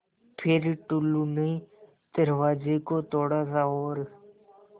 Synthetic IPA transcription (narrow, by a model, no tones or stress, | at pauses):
pʰɪɾʈʊluːneː | d̪̥əɾʋaːd͡ʒeːkoːt̪oːɽaːzaːoːɾ